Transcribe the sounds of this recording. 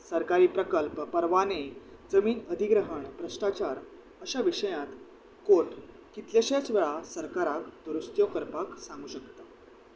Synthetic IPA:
səɾkaɾiːpɾəkəlppəɾʋaned͡zəmiːnəd̪ʱiɡɾəɦəɳpɾəʂʈat͡ɕaɾ | əɕaʋiɕəjãt̪ | koʈ | kit̪ljeɕjat͡sʋeɭasəɾkaɾakd̪uɾust̪jokəɾpaksãŋɡuːɕəkt̪a

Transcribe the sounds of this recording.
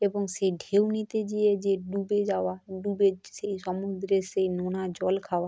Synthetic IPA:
ebɔŋseɖʱeuwnit̪ed͡ʒied͡ʒeɖubed͡ʒaʋaɖubeseisɔmud̪ɾeseinonad͡ʒɔlkʰaʋa

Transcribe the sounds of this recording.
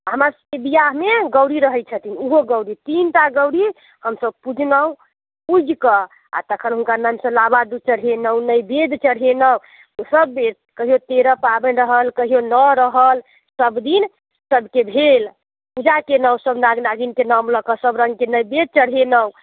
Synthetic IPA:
ɦəmasə̥ebijaɦmeɡəwɾiɾəɦɛt̪̚t͡ʃʰət̪inuɦoɡəwɾit̪int̪aɡəwɾi | həmsəb̚pud͡ʒʱnəw | pud͡ʒʱkə | a̰t̪əkʰənɦunkanamsə̃labad̪ut͡ʃəɽɦenəwnəjbed̪ʱt͡ʃəɽ̤ɦenəw | səbːe | kəɦijot̪eɾəpabənɾəɦəlkəɦijonəɾəɦəl | səbd̪in | səbʱkebʱel | pud͡ʒakenəwsəbnaɡnaɡinkenamləkəsəbɾəŋɡ̚kenəjbed̪̚t͡ʃəɽ̤ɦenəw

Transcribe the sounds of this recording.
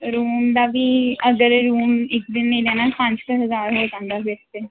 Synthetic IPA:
ɾuːmd̪aːbʱiːəɡəɾɾuːmɪk̚d̪ɪnːə̃ĩd̪ɛːnapə̃ɲt͡ʃkəɦəzaːɾɦoːd͡ʒãːnd̪aːbest̪e

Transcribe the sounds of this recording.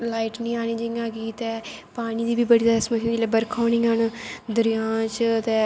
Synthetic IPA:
laːiːʈnĩːaːniːd͡ʒɪãːɡiːt̪ɛːpaːɽiːd̪iːbiːbəɽiːd̪əsmə̃d͡ʒeːleːbəɾkʰaːnĩːɦənd̪əɾɪjãːt͡ʃt̪eː

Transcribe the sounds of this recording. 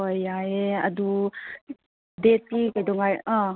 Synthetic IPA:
ojaeɐ̰du | detikajdɔŋaja

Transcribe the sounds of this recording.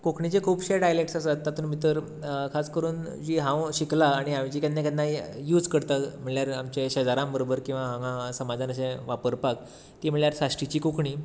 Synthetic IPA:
kokʰɳit͡ɕekʰuːpɕeɖajlekʈsasat̪ːat̪ʰuːnmit̪̬əɾ | kʰaskəɾuːn | d͡ʑiːɦãwɕiklaːɽ̃iamd͡ʑiːkanːekad̪naijuːd͡zkəɽt̪am̤əɭjaɾamt͡ɕẽɕəd͡zaɾãmbəɾobəɾkĩw̃ʋaɦããsəmad͡zanəsẽʋapəɾpak | t̪iːm̤əɭjaɾsaɕʈit͡ɕiːkokʰɳiː

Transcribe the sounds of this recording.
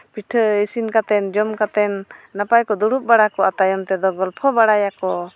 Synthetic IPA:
piʈʰəəsinkat̪ɛnd͡ʒɔmkat̪ɛnːapajkɔd̪uɽup̚baɽakɔat̪ajɔmt̪ɛd̪ɔɡɔlpʰɔbaɽajakɔ

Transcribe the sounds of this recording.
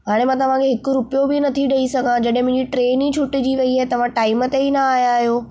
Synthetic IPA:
ɦaːɽ̃emãːt̪ɐʋ̤ãkʰeɦɪkʊɾʊpijobɪnɐt̪ʰiɗɐisɐɡʱãd͡ʑɐɗ̃ɦẽmʊ̃ɪ̃ɲd͡ʑiʈɾeːnit͡ɕʰʊʈɪd͡ʑiːʋɐiaːɛt̪ɐʋ̤ãʈaːɪmət̪einɐaːjaːɦijoː

